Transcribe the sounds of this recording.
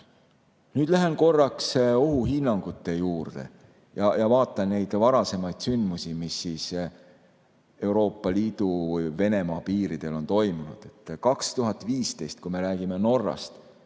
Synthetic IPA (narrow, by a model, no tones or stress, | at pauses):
nyːd̪̥læɦenko̞rːɑkso̞ɦuɦinːɑŋɡ̥ut̪ːˑe̞juːrd̪̥e̞̰ | jɑjɑvɑːt̪ːˑɑnne̞jd̪̥vɑɾɑse̞mɑjd̪̥synd̪musimisːis | e̞uɾo̞ːpːˑɑliːd̪̥uve̞ne̞mɑːpiːɾid̪̥e̞lo̞nt̪o̞jmunud̪̥e̞t̪ːˑkɑkst̪uɦɑt̪ːˑviːst̪e̞jst̪̚kujme̞ɾæːɡ̥ime̞no̞rːɑ̰st̪